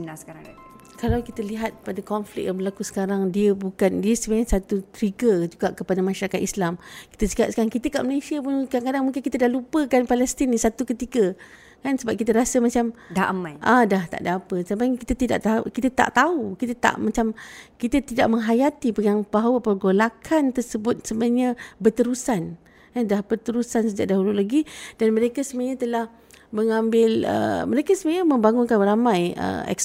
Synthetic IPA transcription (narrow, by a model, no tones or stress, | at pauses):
nasə̥kaɾaŋ | kalawkit̪əliɦat̪̚padakɔnflɪ̰k̚jaŋbəlakusə̥kaɾaŋdiəbukandiəsəbaɲasat̪ut̪ɾiɡəd͡ʒuɡaʔkəpadamaʃaɾakat̪̚islamki̥t̪əsə̥kiat̪̚sə̥kaɾaŋkit̪əka̰ʔməlasiəpʊnkadaŋkadaŋmuŋkɪnkit̪ədahlupəkanpalɛst̪inːisat̪ukət̪ikə | kansəbap̚kit̪əɾasəmat͡ʃamdaʔamãjʔadaht̪a̰ʔdaapəsampajŋkit̪at̪ida̰ʔt̪aṵkit̪at̪a̰ʔt̪aukit̪at̪a̰ʔmat͡ʃamkit̪at̪idaʔməŋɦajat̪ipəŋaŋbaɦawapərɡolakʰant̪ərsəbʊt̪̚səməɲə̃bət̪əɾusan | kadahbərt̪əɾusansəd͡ʒaʔ̚daɦululaɡid̥anmə̃ɾekasəmɲãt̪əlah | məŋãmbɪlə̰məɾekasəməɲaməmbaŋʊnkanramãjə̰ɛ̰ks